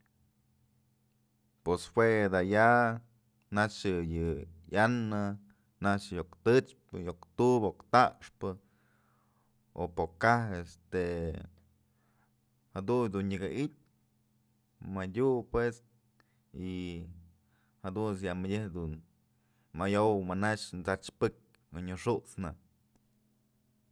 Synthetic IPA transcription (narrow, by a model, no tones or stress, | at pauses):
peshwed̪aja | nat͡ʃɨjɨjanːɨ | nat͡ʃjokt̪ɨt͡ʃpɨjokt̪ubokt̪aʔʂpɨ | o̰pokahest̪e | had̪ujd̪unɲɨɡaʔit̚ʲ | madʲupwes | i | had̪unsjaʔmɨdʲehd̪un | majowmanaʂnt͡sat͡ʃpɨk̚ʲ | oɲɨʂuʔt͡sna̰